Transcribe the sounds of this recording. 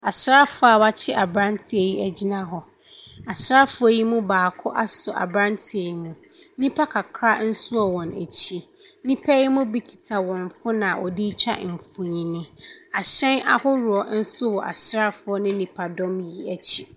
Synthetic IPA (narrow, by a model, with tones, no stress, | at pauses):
a˨sɾa˦fʊ˦a˨ba˦t͡ɕʰɪ˦ʔa˨bɾã˦ntʰɪ˦e˨ji˦æ˨d͡ʑi˦nã˦ɦɔ˨ | a˨sɾa˦fʊ˦ɔ˦ji˦mũ˦baː˨kʰʊ˦ʔa˦sʊ˨ʔa̰˨bɾã˦ntʰɪ˦˨e˨ji˦mũ˦ | nĩ˦pʰa˦kʰa˨kʰɾa˦n̩˦sʊ˦ɔ˨wɔ̃˨næ̰˨t͡ɕʰi˦˨ | nĩ˦pʰɛ˦ji˦mũ˦bi˦kʰi̥˨tʰa˨wɔ̃˨nfʊ˦nã˨ʔɔ̰˨di˦t͡ɕʰᶣa̰˦˨m̩˨fũ˨ɲĩ˨nɪ̃˦a˨ɕɛ̃˦nʔa̰˦hʊ˦ɾʊ˨ɔ˨n̩˦sʊ˦wɔ˨ʔa̰˨sɾa˦fʊ˨˦ɔ˦nɪ̃˦nĩ˨pʰa˨dɔ̃˦mji˦æ˨t͡ɕʰi̥˦